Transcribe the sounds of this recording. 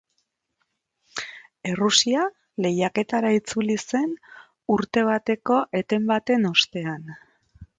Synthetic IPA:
e̞rusia | le̞jake̞t̪aɾait͡sulise̞n | uɾt̪e̞β̞at̪e̞ko̞ʔe̞t̪e̞mbat̪e̞no̞st̪e̞an

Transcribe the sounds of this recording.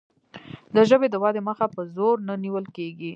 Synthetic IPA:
d̪əʒəbed̪əwɑd̪eməxapəzoɾnəniwəlkeɡi

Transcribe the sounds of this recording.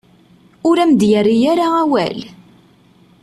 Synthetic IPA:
ʊɾæmd̪jərːijaɾaæwæ̰l

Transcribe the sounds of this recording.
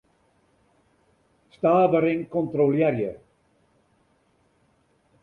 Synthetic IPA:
staːbəɾɪŋkɔntroljɛɾjə

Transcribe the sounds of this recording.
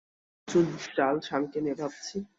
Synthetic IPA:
t͡ɕunʃalʃʰaŋkenebʱab̚t͡ɕʰi

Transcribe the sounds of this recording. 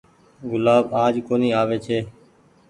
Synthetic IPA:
ɡʊlaːbaːd͡ʒkoːniːaːʋeːt͡ʃʰeː

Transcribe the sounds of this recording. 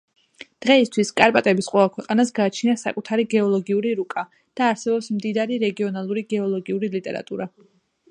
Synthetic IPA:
d̪̥ʁɛist̪ʰwiskʼaɾpʼat̪ʼɛbisqʼwɛvakʰwɛqʼanasɡaːt͡ʃʰniasa̰kʼut̪ʰaɾiɡɛɔlˠɔɡiuɾiɾukʼa | d̪̥aːɾsɛbɔpsmd̪id̪aɾiɾɛɡiɔnalˠuɾiɡɛɔlˠɔɡiuɾilit̪ʼɛ̰ɾa̰t̪ʼuɾa

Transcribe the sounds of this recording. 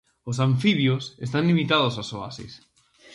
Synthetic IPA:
osaɱfiβjosest̪anlimit̪aðosasoa̰sḛs

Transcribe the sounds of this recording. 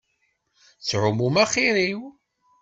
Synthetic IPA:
t͡sʕʊmumæχiɾiw

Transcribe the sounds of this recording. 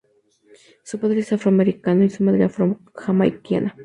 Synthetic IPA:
supaðɾesafɾoameɾikanoisumad̪ɾafɾo | xamajkia̰na

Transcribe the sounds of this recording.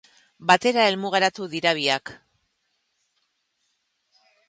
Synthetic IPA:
bat̪e̞ɾae̞lmuɣeɾat̪uðiɾaβ̞iak

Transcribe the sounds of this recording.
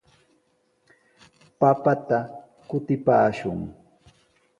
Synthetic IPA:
papat̪a | kʊt̪ɪpaːʃʊŋ

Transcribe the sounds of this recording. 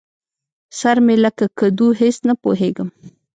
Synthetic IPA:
saɾmelakakad̪uɦesnapo̰ɦeɡəm

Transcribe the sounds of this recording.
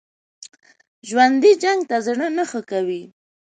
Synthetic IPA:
ʒwand̪id͡ʒaŋɡt̪azɳənəxəkawi

